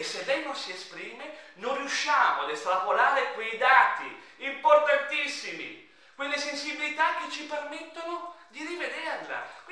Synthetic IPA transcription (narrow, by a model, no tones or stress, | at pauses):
esːelːɛjnonsiespɾiːmenonriuʃːaːmoad̪est̪ɾapolaːɾekwejd̪aːt̪iimport̪ant̪isːimḭ | kwelːesensibilit̪ak̟ːet͡ʃːipermet̪ːonod̪irived̪eanla̰